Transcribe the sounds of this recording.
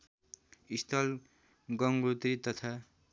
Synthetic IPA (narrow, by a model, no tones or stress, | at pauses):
ist̪ʰʌl | ɡʌŋɡɾut̪rit̪ʌt̪ʰa